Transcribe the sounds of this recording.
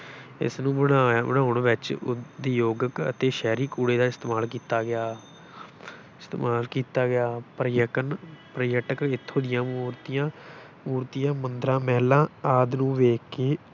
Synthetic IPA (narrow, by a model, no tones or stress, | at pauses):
ɪ̰snũːbəɽabəɽaːʊɳʋɪt͡ʃd̪iːjoːɡəkə̰t̪eːʃɛːɾiːkuːɽeːd̪aːɪst̪emaːlkiːt̪aːɡɪaː | ɪst̪eːmaːlkiːt̪aːɡɪaːpɾəjəkənpɾəjəʈəkɪt̪ʰːõːd̪ɪjãːmuːɾt̪ijãː | muːɾt̪ijãːmənd̪ɾãːmɛːlãːaːd̪nũːʋeːkeː